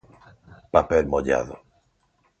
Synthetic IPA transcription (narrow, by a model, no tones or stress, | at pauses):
papelmoʎa̰ðo